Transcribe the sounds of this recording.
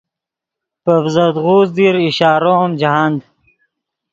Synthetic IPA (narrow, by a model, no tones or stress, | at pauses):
pəvzəd̪ʁuːzd̪iɾiɕaːɾomd͡ʑaɦand̪